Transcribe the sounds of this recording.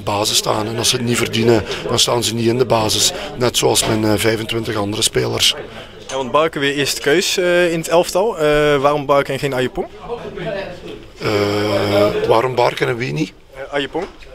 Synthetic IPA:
baːzəsta̰ːnɛnɑlˠsətnivərdinəd̥ɑnstaːnzəniɪndəbaːzɪsnɛtsoːɑlˠsmɛnvɛjvəntʋɪntəxɑndərəspeːlə̰rs | ɛʋɑn̚bɑɹkəʋɪːɹɪːstə̥køɥsɪnətɛlˠftɑlˠʋaːrɔmbɑrkənɣejnɑjəpɔn | ə | ʋaːɾɔmbɑrkənəʋini | ʔɑjəpɔn

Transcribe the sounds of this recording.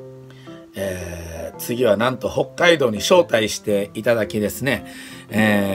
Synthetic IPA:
eːt͡sɨɡʲiβ̞anãnt̪o̞ho̞kːaid̪o̞ːɲ̟iɕo̞ːt̪aiɕi̥t̪e̞it̪ad̪akʲid̪e̞sɨne̞e

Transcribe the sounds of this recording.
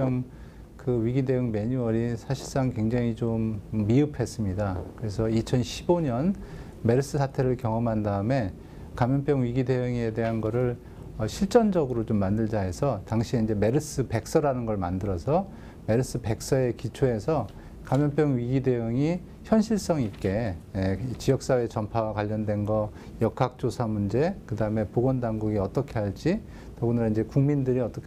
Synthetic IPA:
ŋ | kɯɥiɡide̞jɯŋme̞ɲuʌɾisʰaɕʰiɭs͈aŋkwe̞ŋd͡ʑaŋit͡ɕomːiɯpʰe̞s͈ɯmɲidakɯɾe̞sʰʌit͡ɕʰʌnɕʰiboɲʌn | me̞ɾɯs͈ɯsʰatʰe̞ɾɯɭkjʌŋʌmɦandaɯme̞ | kamjʌnp͈jʌŋɥiɡide̞jɯŋie̞de̞ɦanɡʌɾɯɭ | ʌɕʰiɭt͡ɕ͈ʌnd͡ʑʌɡɯɾot͡ɕomːandɯɭd͡ʑaɦe̞sʰʌtaŋɕʰieind͡ʑe̞me̞ɾɯs͈ɯpe̞k̚s͈ʌɾanɯnɡʌɭmandɯɾʌsʰʌ | me̞ɾɯs͈ɯpe̞k̚s͈ʌe̞kit͡ɕʰoɦe̞sʰʌ | kamjʌnp͈jʌŋɥiɡide̞ɯŋi | çjʌnɕʰiɭs͈ʌŋik͈e̞et͡ɕijʌk̚s͈awet͡ɕʌmpʰawakwaʎːʌndwe̞nɡʌ | jʌkʰak̚t͡ɕ͈osʰamund͡ʑe̞kɯdaɯme̞poɡwʌndaŋɡuɡiʌt͈ʌkʰe̞ɦaɭt͡ɕ͈i | tʌɡunɯɾaind͡ʑe̞kuŋmindɯɾiʌt͈ʌkʰ

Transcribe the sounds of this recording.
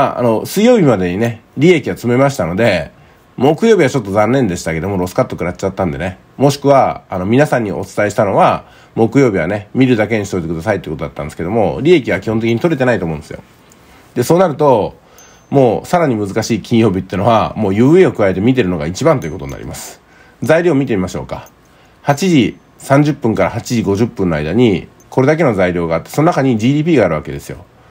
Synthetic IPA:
aa̰no̞sɨijo̞ːbʲimad̪e̞ɲ̟ine̞ɾʲie̞kʲiβat͡sɨmemaɕi̥t̪ano̞d̪e̞ | mo̞kɯjo̞ːbʲiβat͡ɕo̞t̪ːo̞zãnːẽ̞nd̪e̞ɕi̥t̪ake̞d̪o̞mo̞ɾo̞sɨ̥kat̪ːo̞kɯ̟ɾat͡ɕat̪ːãnd̪e̞ne̞ | mo̞ɕi̥kɯ̟βaano̞mʲinasãɲ̟ːiʔo̞t͡sɨ̥t̪aeiɕi̥t̪ano̞βa | mo̞kɯ̟jo̞ːbʲiβane̞mʲiɾɯ̟d̪ake̞ɲ̟isit̪o̞it̪ekɯ̟d̪asait̪eiɯkot̪oat̪ːã̰nd̪esɨ̥keo̞mo̞ɾʲie̞kʲiβakʲihõnt̪ekiɲit̪o̞ɾe̞t̪e̞nait̪omõ̞ːne̞sɨjo̞̰ | d̪e̞so̞ːnaɾɯ̟t̪o̞ | mo̞ːsaɾaɲ̟imɯzɨkaɕiːkʲʰĩɰ̃jo̞ːbʲit̪ːeiɯ̟no̞βamo̞ːjɯ̟ːeo̞kɯ̟ae̞t̪emʲit̪̬e̞ɾɯ̟no̞ɡa̰it͡ɕibãnt̪o̞iɯ̟ko̞t̪o̞ɲina̰ɾḭmasɨ̥ | zaiɾʲo̞ːmʲit̪e̞mʲimaɕo̞̰ːka | hat͡ɕiʑi | sãɲ̟d͡ʑɨpːɯ̟̃ŋkaɾahat͡ɕiʑiɡo̞ʑɨpːɯ̃nːo̞a̰jd̪aɲ̟i | ko̞ɾe̞d̪ak̬e̞no̞zaiɾʲo̞ːɡaaːt̪ːeso̞no̞nakaɲ̟id͡ʑiːd̪iːp̬ʲiːɡaːɾɯ̟βake̞d̪e̞sɨjo̞̰

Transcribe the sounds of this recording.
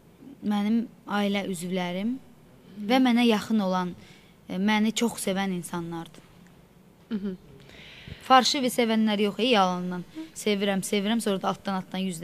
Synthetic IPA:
mænimɑːilæʔyzvlæɾim | væmænæjɑχɯno̞lˠɑn | mænit͡ʃʰo̞χse̞væninsɑnːɑɾd̪ɯ | fɑɾʃɯvise̞vænlæɾjo̞χejɑlˠɯnd̪ɑnse̞viɾæmse̞viɾæmsoɾɑd̪ɑlˠt̪̚ʰːd̪ɑnɑt̪ʰd̪ɑnjyzd̪

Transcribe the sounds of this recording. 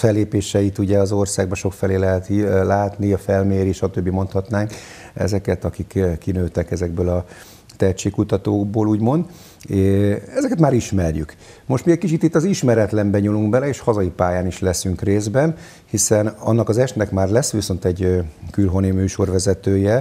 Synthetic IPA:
fɛlːeːpeːʃɛit̪uɟɛɒzo̞rsaːɡ̚bɒʃo̞kfɛleːlɛɦɛt̪ilaːt̪niɒfɛlmeːɾiʃɒt̪øbːimo̞nt̪hɒt̪naːŋk | ɛ̰zɛkɛt̪ɒkikkːinøːt̪ɛkɛzɛɡ̚bøːlɒ | t̪ɛt͡ʃeːkːut̪ɒt̪oːɡboːluːɟmo̞nd̪ | ɛzɛkɛt̪maːɾiʃmɛrjy̰k | mo̞ʃt̪miɛckit͡ʃit̪ːit̪ːɒziʃmɛɾɛt̪lɛmbɛɲuluŋɡbɛlɛeːʃhɒzɒjipaːjaːniʃlɛsyŋkreːzbɛn | hisɛnɒ̰nːɒkɒzɛʃt̪nɛkmaːrlɛsːʋiso̞nt̪ɛɟkylɦo̞nimyːʃo̞rʋɛzɛt̪øːjɛ

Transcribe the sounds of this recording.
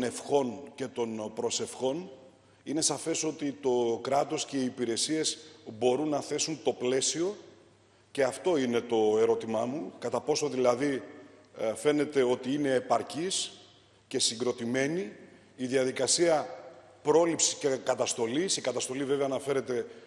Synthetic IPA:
one̞fxo̞nce̞t̪o̞npɾo̞se̞fxo̞n | ine̞sɐfe̞so̞t̪it̪o̞kɾɐt̪o̞sce̞iːpiɾe̞sie̞zbo̞ɾunːɐθe̞sunt̪o̞ple̞sio̞ | ce̞ɐft̪o̞ine̞t̪o̞e̞ɾo̞t̪imɐmukɐt̪ɐpo̞so̞ðilɐði | fe̞ne̞t̪e̞o̞t̪iine̞ːpɐɾcis | ce̞siŋɡɾo̞t̪ime̞niː | ðiɐðikɐsiɐ | pɾo̞lipsi̥scekɐt̪ɐst̪o̞lisikɐt̪ɐst̪o̞live̞veɐːnɐfe̞ɾe̞t̪e̞

